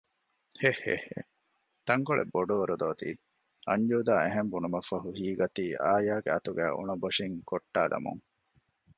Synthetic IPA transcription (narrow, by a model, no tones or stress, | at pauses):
hehḛhḛ | t̪ɐŋkoɭʔḛbːoɖoːɾud̪oːt̪ḭː | ɐɲd͡ʒuːd̪aːeɦembunumɐfɐɦuhiːɡɐt̪iːʔaːjaːɡeɐt̪uɡæ̰ːʔṵɳɐboʂiŋkoʈːaːd̪ɐ̰mṵŋ